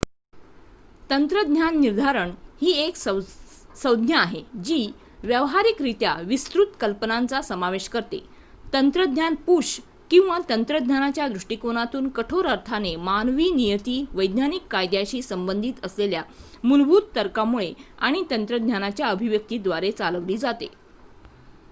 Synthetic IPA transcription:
t̪ənt̪ɾəd̪ʱɲjanːiɾd̪ʱaɾəɳhiːeks | səwd̪ʱnjəaɦed͡ʑiː | ʋjəʋɦaɾikɾit̪jaʋist̪ɾut̪kəlpənant͡sasəmaʋeɕkəɾt̪ḛ | t̪ənt̪ɾəd̪̚ʱɲjanpuʂ | kĩw̃ʋat̪ənt̪ɾəd̪ɲanat͡ɕjad̪ɾuʂʈikoñat̪uːnkəʈʰoɾəɾt̪ʰanemanʋiːnijət̪iːʋəjd̪nanikːajd̪jaɕiːsəmbənd̪ʱiːt̪əslelja | mulbʱuːd̪t̪əɾkamuɭeaɽ̃it̪ənt̪ɾəd̪ʱɲjanat͡ɕjaəbʱiʋjək̚t̪iːd̪ʋaɾet͡saləʋliːd͡zat̪ḛ

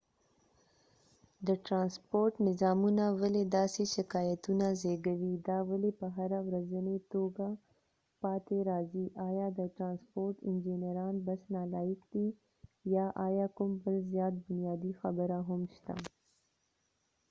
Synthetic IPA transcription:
d̪əʈɾɑnspoɾʈnɪzɑmunawaled̪ɑseʃɪkɑjat̪unazeɡawid̪ɑwalepəɦaɾawɾazənet̪oɡa | pɑt̪eɾɑziʔɑjɑd̪əʈɾɑnspoɾʈɪnd͡ʒineɾɑnbasnɑlɑjɪkd̪i | jɑʔɑjɑkʊmbəlzjɑːt̪̚bʊnjɑd̪ixabəɾaɦʊmʃt̪a̰

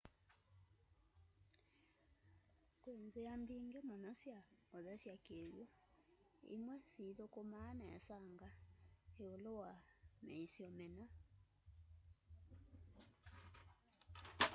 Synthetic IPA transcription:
kweːnzejambiːŋɡemɔnɔsjaɔðɛsjakejo | ḭmwɛsiðokomanaa̰saŋɡaeolowamɛisjɔmɛna

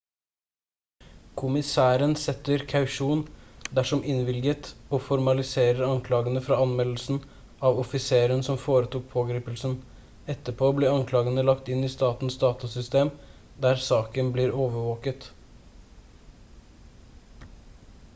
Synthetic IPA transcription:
kʰʊmɪsæːɾənsɛt̪ːəɾkʰɑʉʃuːnd̪æʂɔmʔɪnʋɪlɡət̪ɔːfɔɾmɑlɪseːɾəɾɑŋkʰlɑːɡənəfɾɑːɑnmɛll̩sn̩ | ɑʋɔfɪseːɾənsɔmfoːɾət̪uːk̚pʰoːɡɾiːpəlsən | ɛt̪ːəpʰoːbleːɑŋkʰlɑːɡənəlɑkt̪ɪnːiːst̪ɑːt̪nsd̪ɑːt̪ʊsʏst̪eːm | d̪æːɾsɑːkənbliːɾoːʋəʋoːkət̪

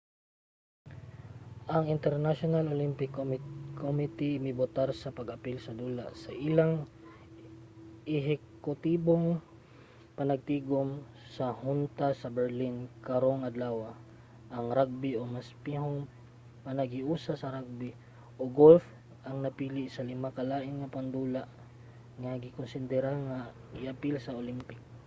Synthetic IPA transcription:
ʔɐŋɪnt̪ɛɾnaʃonalolimpɪkːmkʰomɪt̪ɪɪmɪbʊt̪aɾsɐpɐɡɐpilsɐd̪uːla̰sɐʔɪlaŋ | ʔɛɦɛkkʊt̪iːboŋ | pɐnɐɡ̚t̪iːɡom | sɐhʊnt̪asɐbɛɹlinkɐɾo̞ŋɐd̪laːwɐ | ʔɐŋɾaɡ̚bio̞maspiɦoŋ | mɐnɐɡɪʔuːsasɐɾaɡ̚bɪ | ʔoɡolf | ʔɐŋnɐpiːlɪʔsɐlɪmakɐlaːʔɪnŋɐpɐnd̪uːlaʔ | ŋɐɡɪkonsɪnd̪ɛɾaŋa | ʔɪʔɐpɪlsɐolimpɪk̚

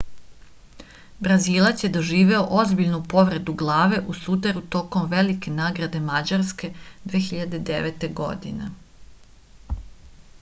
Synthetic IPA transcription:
bɾaziːlˠat̪sje̞d̪o̞ʒiːʋe̞oʔo̞zbiʎnupo̞ʋɾe̞d̪uɡlˠaːʋe̞ʔusut̪̬eɾut̪o̞komʋe̞like̞naːɡɾad̪e̞mad͡ʑaɾske̞d̪ʋeːxiʎad̪e̞d̪eʋet̪e̞ɡo̞̰d̪inḛ

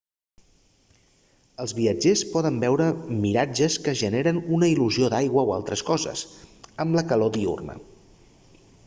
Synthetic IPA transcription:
əlˠzβiəd͡ʒespɔðəmbɛwɾəmiɾad͡ʒəskəʒəneɾənunəiluzioðajɣwəwa̰lˠt̪ɾəskɔzə̰səmləkəlod̪iṵrnə̰

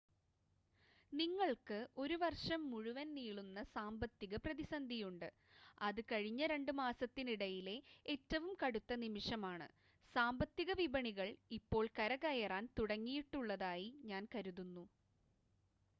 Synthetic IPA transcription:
niŋːɐɭkɨʔo̞ɾuʋɐrʂɐmːuɻuʋɐnniːɭunːɐsaːmbɐt̪ːiɣɐprɐðisɐnd̪ʱijuɳɖɨ | ɐðɨkɐɻiɲːɐɾe̞ɳɖɨmaːsɐt̪ːiniɽɐjile̞etːɐʋumkɐɽut̪ːɐnimiʂɐmaːɳɨ̰ | saːmbɐt̪ːiɣɐʋibɐɳiɣɐɭipːo̞ːɭkɐɾɐɣɐjɐraːnt̪uɽɐŋːijiʈːuɭːɐðaːjiɲaːnkɐɾuðunːu

